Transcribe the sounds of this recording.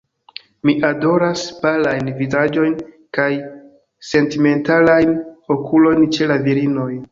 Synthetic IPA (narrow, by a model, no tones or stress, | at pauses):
miʔado̞ɾasbalajnvizad͡ʒo̞jn | kaj | se̞ntime̞ntalajno̞kʰulo̞jnt͡ʃe̞laviɾino̞j